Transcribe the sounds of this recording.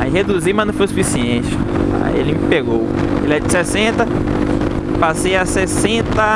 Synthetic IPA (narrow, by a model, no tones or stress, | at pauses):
aiɦed̪uzimɐnɐ̃w̃fojsufisiẽt͡ʃɪa̰ḭḛlɪmipeɡowḛlɛɾɐd͡ʒɪsɛsẽnt̪ɐ | pasejasɛsẽt̪ɐ